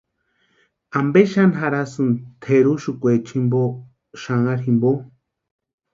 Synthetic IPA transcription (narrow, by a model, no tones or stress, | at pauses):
ambeʃanɦaɾasɨnt̪ʰeɾuʃukʷet͡ʃʰimbo | ʃaŋaɾimbo